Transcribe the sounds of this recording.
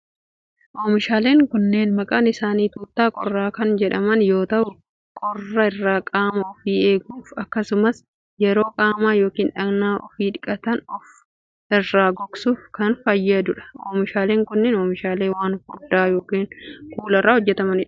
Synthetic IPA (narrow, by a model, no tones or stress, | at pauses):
ʔoːmɪʃaːle̞ːŋkʊnːeːnmɐkʼaːnɪsaːniːt̪uːt̪ːaːkʼɔrːaːkɐnd͡ʒɛᶑɐmɐnjo̞ːt̪ɐʔʊ | kʼɔrːɐɪrːaːkʼaːmɐɔfiːe̞ːɡuːfɐkːɐsʊmɐs | jɛɾo̞ːkʼaːmaːjo̞ːkiːnᶑɐɡnaːʔɔfiːᶑɪkʼɐt̪ɐnɔf | ɪrːaːɡɔksuːfkɐnfɐjːɐd̪ʊᶑɐ̥oːmɪʃaːle̞ːŋkʊnːeːnoːmɪʃaːle̞ːwaːnhʊd̪aːjo̞ːkiːnkuːlɐrːaːhɔd͡ʒːɛt̪ɐmɐnɪ